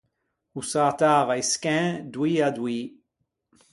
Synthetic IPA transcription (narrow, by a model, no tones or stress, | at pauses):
usat̪aːvajskɛ̃d̪wiːad̪wiː